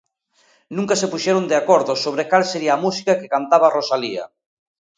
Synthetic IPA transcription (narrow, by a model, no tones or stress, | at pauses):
nũŋkasepuʃɛɾond̪eakɔɾðʊsoβ̞ɾekalseɾiaːmusi̥kakekant̪aβarosalia̰